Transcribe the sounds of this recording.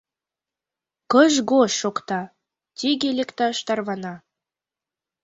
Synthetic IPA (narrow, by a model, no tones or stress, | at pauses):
kəʒɡoʃːokt̪ɑ | t̪ʲiɣelʲekt̪ɑʃt̪ɑrβɑnɑ